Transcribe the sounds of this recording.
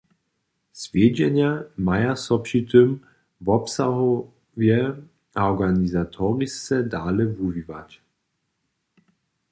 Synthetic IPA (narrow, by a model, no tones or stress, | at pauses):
sveːd͡ʒɛnjamajasɔpɕit̪ʰøm | vɔpsahɔ | vjɛ | ɔɡanizatʰɔʁist͡sɛdaːləvuviva̰t